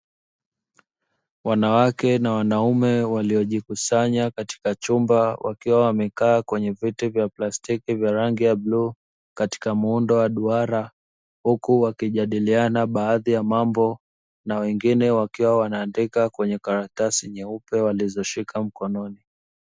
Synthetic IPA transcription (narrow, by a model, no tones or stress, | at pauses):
wanawakɛnawanaumɛwaliɔʄikusaɲakati̥kat͡ʃumbawʔa̰kiwawamɛkaːkwɛɲɛvitɛvjaplastikivjaɾaŋɡijabluː | kati̥kamuundɔwaɗuaɾa | hukuwakiʄaɗilianaɓaːðijamambɔ | nawɛŋɡinɛwakiwawanaːndikakwɛɲɛkaɾatasiɲɛupɛwalizɔʃikʰam̩kɔnɔni